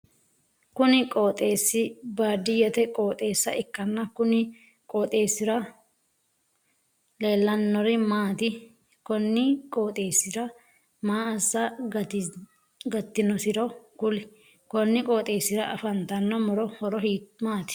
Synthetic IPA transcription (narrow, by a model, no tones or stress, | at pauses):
kʊnɪkʼoːt̪ʼeːsːɪbaːd̪ɪjɛt̪ɛkʼoːt̪ʼe̞ːsːɐʔɪkːɐnːɐkʊnɪ | kʼoːt̪ʼe̞ːsːɪɾɐ | leːlːɐnːɔɾɪmaːt̪ɪ | kɔnːɪkʼoːt̪ʼe̞ːsːɪɾɐ | maːɐsːɐ | ɡɐt̪ːɪnɔsɪɾɔkʊlɪ | kɔnːɪkʼo̞ːt̪ʼe̞ːsɪɾɐʔɐfɐnt̪ɐnːɔmɔɾɔhɔɾɔhiːmaːt̪ɪ̥